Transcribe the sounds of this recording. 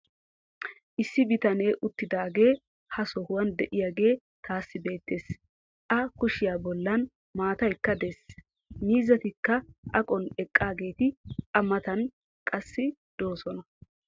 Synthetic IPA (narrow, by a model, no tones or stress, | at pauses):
ʔɪsːɪbɪt̪ɐne̞ːʔʊt̪ːɪd̪aːɡe̞ː | hɐsɔhʊwɐnd̪ɛʔɪjaːɡe̞ː | t̪aːsːɪbe̞ːt̪ːe̞ːs | ʔɐkʊʃɪjaːbɔlːɐn | maːt̪ɐjkːɐd̪es | miːzɐt̪ɪkːɐʔɐkʼɔnɛkʼːaːɡe̞ːt̪ɪɐmɐt̪ɐn | kʼɐsːɪd̪̥oːsɔnɐ